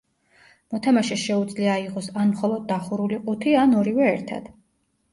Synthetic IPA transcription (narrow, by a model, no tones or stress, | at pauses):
mɔt̪ʰamaʃɛʃɛud̪zliaiqʼɔsanmχɔlˠɔd̪̚ːaχuɾuliqʼut̪ʰianɔɾivɛːɾt̪ʰa̰d̪̥